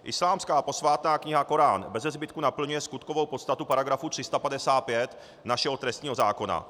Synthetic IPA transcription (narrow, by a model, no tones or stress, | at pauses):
ʔɪslaːmskaːpo̞svaːt̪naːkɲɪɦako̞ɾaːnbɛzɛzbɪt̪kunapl̩ɲujɛskut̪kovo̞wpot̪st̪at̪upaɾaɡɾafut̪r̥ɪst̪apadɛsaːt̪̚pjɛt̪ | naʃɛɦo̞t̪ɾɛst̪ɲiːɦo̞zaːko̞na̰